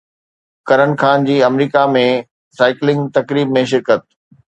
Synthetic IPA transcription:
kɐɾənxaːnd͡ʑiːɐmɾiːkamẽ | saːɪklɪ̃ŋɡt̪ɐkɾiːbmẽʃɪɾkət̪̚

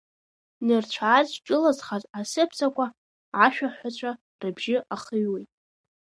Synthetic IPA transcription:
nɨrt͡ɕʷʰaːzʈ͡ʂʼɨlazχazasɨpʰt͡sʰʼakʷa | aʃᶣaħʷat͡ɕʷʰa | rɨbʒɪʔaχəjwejtʼ

